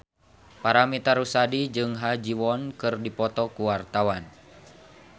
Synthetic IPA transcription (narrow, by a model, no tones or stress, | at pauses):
paɾamit̪aɾusadid͡ʒɨŋɦad͡ʒiwɔnkɨrdipɔt̪ɔkuwart̪awan